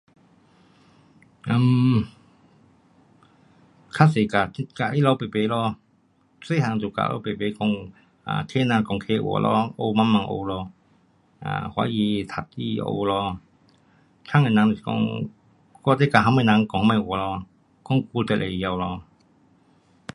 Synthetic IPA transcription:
ʔə˧m | kʰa˥se˨˩ka˨˧˩t̪i˧˥ka˧˨ʔi˦˥˨lɔ˧wpe˨˩pe˨˦lɔ˧ | se˥˨ɦa˨ŋt̪o˨˩ka̰ː˧˨ʔo̰˧˦wpe˨˩pe˨˦kɔ˧ŋ | a̰ː˧˨t̪ʰe˥na˧kɔ˨˧ŋkʰe˧wɔ̰˨˩˦lʔɔ̰˧ʔo˧ma˧˥nma˧ŋʔo̰˧lɔː˧ | a̰ː˧˩hwa̰˧˥jiː˧t̪ʰa˨˩t̚i˧˩˧ʔo̰˧wlɔ˧ | t͡ʃʰa˥˨ŋe˨˩nã˨˧n˨i˨kɔ̰˧ŋ | kɔ˧t̪e˧˥ka˧˩ɦa˧˥ma˧˨nã˧ŋkɔ˨˧ŋma˧˩wɔ˨˩lɔ˧ | kɔ˧˦ŋku˧t̪ɛ˧˩ʔlʔe˨˩˨ja˧wlɔː˧

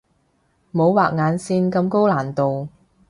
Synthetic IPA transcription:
mo˨˧˥wwaː˨k̚ŋaː˨˧nsiː˧nkɐ˧mko˥wlaː˨˩nt̪o˨w

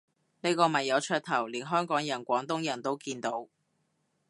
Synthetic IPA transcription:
ne˥kɔː˧mɐ˨˩jːɐ˨˧wt͡ʃʰœː˧t̚t̪ʰɐ˨˩wliː˨˩nɦœː˥ŋkɔː˨˥ŋjɐ˨˩nkʷɔː˨˥ŋt̪ʊ˥ŋjɐ˨˩nt̪o˥wkiː˧nt̪o˨˥w

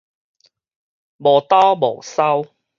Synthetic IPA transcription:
mɔː˨˩t̪aː˥mo˨˩sɐ˥w

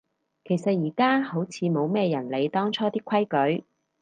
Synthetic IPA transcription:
kʰe˨˩jsɐ˨t̚jiː˨˩kaː˥ho˨˥wt͡sʰiː˨˧mo˨˧wmɛː˥jɐ˨˩nle˨˧jt̪ɔː˥ŋt͡ʃʰɔː˥t̪iː˥kʷʰwɐ˥jkɵ˨˥ɥ

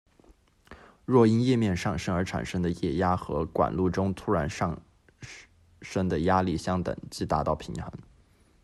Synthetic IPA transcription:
ɻwɔ˥˩i˥njɛ˥˧mjɛ˥˧nʂɑ˥˩ŋʂə˥ŋə˞˧˥ʈ͡ʂʰa̰˨˩nʂə˥ŋd̪ə˨jɛ˥˩ja˥xɤ̰˧˥kwa̰˨˩nlu˥˩ʈ͡ʂʊ˥ŋt̪ʰu˥ɻa˧˥nʂɑ˥˩ŋ | ʂə˥ŋd̪ə˨ja˥li˥˩ɕjɑ˥ŋt̪ə̰˨˩ŋt͡ɕi˥˩t̪a˧˥t̪ɑ˥˩ʊpʰi˧˥ŋxə̰˧˥˦ŋ

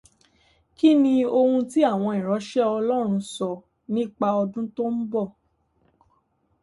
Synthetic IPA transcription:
ki˦nĩ˧o˧hũ˧ti˦a˦˨w̃ɔ̃˧ĩ˨ɾ̃ɔ˨˦ʃɛ˦ɔ˧lɔ˦ɾ̃ũ˧sɔ˧ | nĩ˦˨k͡pa˧ɔ˧dũ˦to˦n̩˦bɔ˦˨

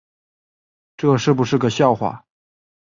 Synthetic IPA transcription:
ʈ͡ʂɤ˥˩ʂɻ̩˥˩pu˨˩ʂɻ̩˥˩ɡə˩ɕjɑ˥˩ʊxwa̰˥˩

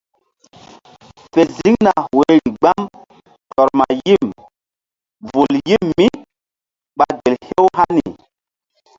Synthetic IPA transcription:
fe˨zi˦ŋna˨we˨˦ɾi˨ɡ͡ba˦m | ɬɔ˨ɾma˨ji˦˨m | vu˨lji˦mːi˦ | ɓa˨ɡe˨lhe˦wɦa˦ni˨

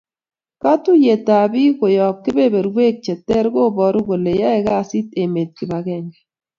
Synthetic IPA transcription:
ka˦tu˦je˨ta˨bi˦ko˨jɔ˨p̚kɪ˦be˦be˨ɾwe˦k̚t͡ʃɛ˨tːɛ˦ɾɡo˦bɔ˨ɾu˦ɣo˨le˨ja˦ɛ˨ɣa˦si˦te˨me˨t̚kɪ˨ba˨ɣɛ˦˨ŋɡɛ˨

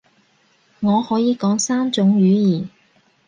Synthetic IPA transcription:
ŋɔː˨˧hɔː˨˥jiː˨˧kɔː˨˥ŋsaː˥nt͡sʊ˨˥ŋɥyː˨˧˥jiː˨˩

